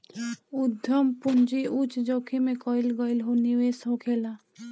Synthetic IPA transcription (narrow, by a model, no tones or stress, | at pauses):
ʊd̪ʱjəmpʊnd͡ʒiut͡ʃd͡ʒoːkʰimẽkɔːɪlɡɔɪlɦoniwesõːkʰeːlaː